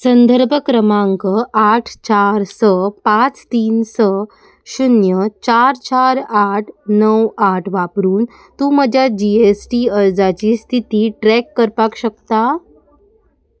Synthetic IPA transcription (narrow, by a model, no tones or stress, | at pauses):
sənd̪ʱəɾbʱəkɾəmaŋkəaʈʰt͡ɕaɾsəpãt͡st̪iːnsə | ɕunjət͡ɕaɾt͡ɕaɾaʈʰnəwaʈʰʋapɾuːn | t̪ũːməd͡ʑʱjad͡ʑiesʈiəɾd͡zat͡ɕiːst̪ʰit̪iːʈɾɛkːəɾpakɕəkt̪a